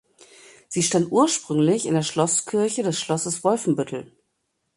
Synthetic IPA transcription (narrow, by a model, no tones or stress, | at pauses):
z̥iːʃtantʔuːɐʃpʁ̥ʏŋlɪçɪndeːɐʃlɔskʰɪɐçədɛsʃlɔsəsv̥ɔlfn̩bʏtʰl̩